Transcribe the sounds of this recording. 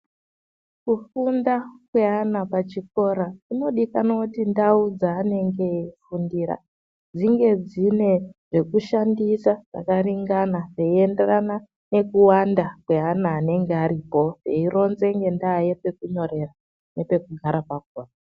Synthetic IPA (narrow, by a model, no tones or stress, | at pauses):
kufundakwe̞ɦanapat͡ʃik̚o̞ɾaino̞ɗikanotindaud͡zaːne̞ŋɡe̞fundiːɾa̰ | d͡ziŋɡe̞d͡zine̞ʐ̥e̞kuʃandisaʐa̰kariŋɡanaʐeienderana | ne̞kuwandakwe̞ɦanaːne̞ŋɡeaɾipo̞eiro̞nze̞ŋɡe̞ndaːjepe̞kuɲo̞ɾe̞ra | ne̞pe̞kuɡʱaɾapak̚oːra